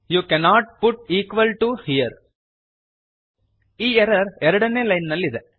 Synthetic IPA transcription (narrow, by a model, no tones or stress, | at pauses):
jukɛnaːʈ̚pʊʈ̚iːkʋɐlʈuhiəɾ | iɛɾɐɾɛɾɐɽɐnelɐɪnːɐlɪðɛ